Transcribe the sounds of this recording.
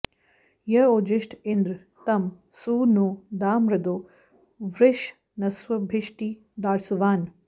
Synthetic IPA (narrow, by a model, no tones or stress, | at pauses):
jɐoːd͡ʒɪʃʈʰɪnd̪ɾ | t̪ɐm | suːnoːd̪aːmɾɐd̪oː | ʋɾɪʃ | nɐswɐbʱɪʃʈiː | d̪aːɽsuʋaːn